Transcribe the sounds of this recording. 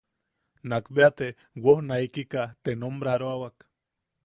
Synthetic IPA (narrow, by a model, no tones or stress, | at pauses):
nakbeat̪e | wohnaikikat̪enombɾaɾoawak